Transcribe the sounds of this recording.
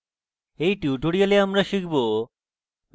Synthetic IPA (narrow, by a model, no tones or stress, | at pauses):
ejʈuːʈoɽijoleamɾaʃikbo